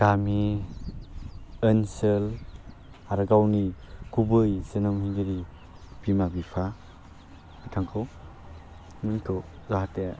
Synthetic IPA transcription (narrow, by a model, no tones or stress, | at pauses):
ɡ̥ami | ensel | aɾɡawnikubɯjsenɯmhiŋɡeɾi | bimabipʰa | mitʰaŋkʰɯw | mɯntʰɔzaɦate